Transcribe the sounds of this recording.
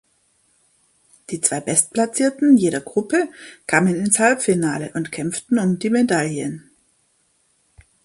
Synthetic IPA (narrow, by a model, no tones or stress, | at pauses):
d̥iːt͡sv̥aɪbɛst̚pʰlat͡siːɐtn̩jeːɾɐɡʁʊpəkʰaːmənɪnshalpfɪnaːləʔʊntkʰɛmftn̩ʊmdiːmedaljən